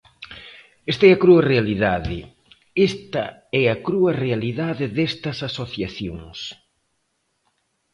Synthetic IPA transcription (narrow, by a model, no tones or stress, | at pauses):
est̪ɐɛɐkɾuɐrealiðaðɪ̰ | est̪ɐɛɐkɾuɐrealiðaðɪðest̪ɐsasoθjaθjoŋs